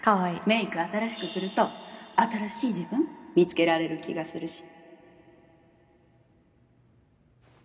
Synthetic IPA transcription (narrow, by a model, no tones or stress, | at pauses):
kaβaime̞ːikɯ̟at̪aɾaɕi̥kɯ̟sɨɾɯ̟t̪o̞at̪aɾaɕiːʑibɯ̟̃mmʲit͡sɨ̥ke̞ɾaɾe̞ɾɯ̟kʲḭɡasɨɾɯ̟ɕi̥